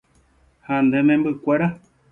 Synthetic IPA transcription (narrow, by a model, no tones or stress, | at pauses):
hand̪enẽmbɨkʷeɾa